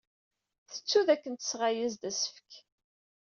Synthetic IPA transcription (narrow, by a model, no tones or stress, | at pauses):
θə̥t͡sːuðækːənt̪ə̥sʁajəzd̪æsə̥fk